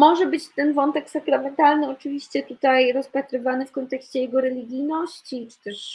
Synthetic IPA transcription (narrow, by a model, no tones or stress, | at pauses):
mɔʐɛbɘt͡ɕt̪ɛnvɔnt̪ɛksakɾamɛnt̪alnɘɔt͡ʂɘvʲiɕt͡ɕɛt̪ut̪ajɾɔspat̪ɾɘvanɘfkɔnt̪ɛkɕt͡ɕɛjɛɡɔɾɛlʲiɡʲijnɔɕt͡ɕit͡ʂɨ̥t̪ɛʂ